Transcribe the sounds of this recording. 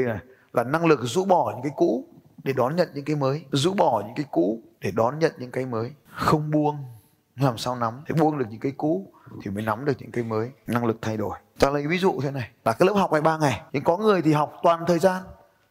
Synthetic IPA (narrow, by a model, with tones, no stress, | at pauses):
ə˧na˨˩j | laː˨˩na˧ŋlɨ˨˩k̚zṵ˧˥ɓɔ˧˩ɲɨ̰˧˥ŋkaː˨˦jkṵ˧˥ɗe˧˩ɗɔ˨˦nɲə̰˧˨nɲɨ̰˧˥ŋka˨˦jməː˨˦jzṵ˧˥ɓɔ˧˩ɲɨ̰˧˥ŋkaː˨˦jkṵ˧˥ɗe˧˩ɗɔ˨˦nɲə̰˧˨nɲɨ̰˧˥ŋka˨˦jməː˨˦jxə˧wŋ͡mɓu˧əŋ | laː˨˩msaː˧wna˨˦me˧˩ɓu˧əŋɗək̚ɲɨ̰˧˥ŋkaː˨˦jkṵ˧˥t̪ʰi˨˩məː˨˦jna˨˦mɗɨ˨˩ək̚ɲɨ̰˧˥ŋka˨˧jməː˨˦jna˧ŋlɨ˨˩k̚t̪ʰa˧jɗo˧˩j | t͡ɕa̰ː˧˥lə˨˦jvi˨˦zṵ˧˨t̪ʰe˨˦na˨˩jlaː˨kaː˨˦jlə˦˥p̚ha˨˩wk͡p̚ʔaː˧˩jɓaː˧ŋa˨˩jɲɨ̰˧˥ŋkɔ˨˦ŋɨ˨˩əjt̪ʰi˨˩ɦa˨˩wk͡p̚t̪waː˨˩nt̪ʰəː˨˩jzaː˧n